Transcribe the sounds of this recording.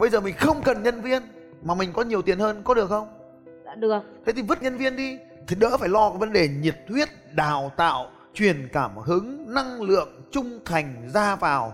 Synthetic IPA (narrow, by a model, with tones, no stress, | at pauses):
ɓə˧jzəː˨˩mï˨˩ŋ̟xə˧wŋ͡mkə˨˩nɲə˧nvi˧ən | maː˨˩mï˨˩ŋ̟kɔ˨˦ɲi˨˩əwt̪i˨˩ənhəː˧nkɔ˨˦ɗɨ˨˩əkxə˧wŋ͡m | ɗɨ˨˩ək̚t̪ʰe˨˦t̪ʰi˨˩və˦˥t̚ɲə˧nvi˧ənɗi˧ | t̪ʰi˨˩ɗə̰ː˧˥faː˧˩jlɔ˧kɔ˨˦və˨˦nɗe˨˩ɲi˨˩p̚t̪ʰwi˦˥ət̚ɗaː˨˧˨wt̪a̰ː˧˨w | t͡ɕwi˨˩ənkaː˧˩mhɨ˨˦ŋna˧ŋlɨ̰˧˨əŋt͡ɕʊ˧ŋ͡mt̪ʰa˨˩jŋ̟zaː˧vaː˨˩w